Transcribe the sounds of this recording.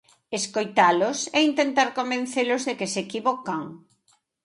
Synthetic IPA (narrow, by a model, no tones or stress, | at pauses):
eskojt̪alʊseint̪ent̪aɾkombẽn̟θelʊzðekesekiβokaŋ